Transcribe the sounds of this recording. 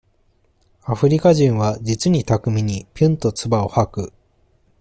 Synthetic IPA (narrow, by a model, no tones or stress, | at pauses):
aɸɯ̟ɾʲikaʑĩɰ̃βad͡ʑit͡sɨɲ̟it̪akɯ̟mʲiɲ̟ipʲɯ̃nt̪o̞t͡sɨbao̞hakɯ̟